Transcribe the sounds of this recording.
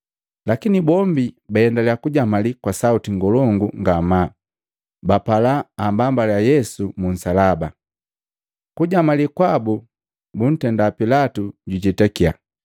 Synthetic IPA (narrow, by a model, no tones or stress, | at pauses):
lakinibɔmbibajɛndalɛakuɟamalikwasautiŋɡɔlɔŋɡuŋɡama | bapalaːmbambaljajɛsumun̩salaba | kuɟamalikwabu | bun̩tɛndapilatuɟuɟɛtakia